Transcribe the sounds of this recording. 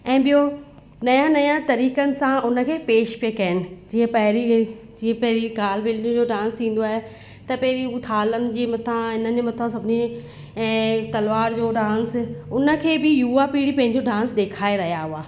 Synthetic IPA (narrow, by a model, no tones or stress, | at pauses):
ɛ̃ːɓijo | nɐjãnɐjãt̪ɐɾiːkənɪ̆sãʊnə̆kʰeːpeːʃpekɐɦɪnɪ̆d͡ʑiːə̃pɐɦɾi | d͡ʑiːə̃pɐɦɪɾiɡaːlbɪlɖiũd͡ʑoːɖãːnst̪ʰĩːn̆d̪oaːɦe | t̪ɐpɐɦɪɾiʊt̪ʰaːlənɪ̆d͡ʑeːmɐt̪ʰãɪnəd͡ʑemɐt̪ʰãsɐbʱɪnẽː | t̪ɐlʋaːɾd͡ʑoːɖãːnsʊnə̆kʰeːbɪjuːapiːɽipɐ̃ɦɪ̃ɲd͡ʑoɖãːnsɗ̪eːkʰaːeɾɐɦijaɦʊaː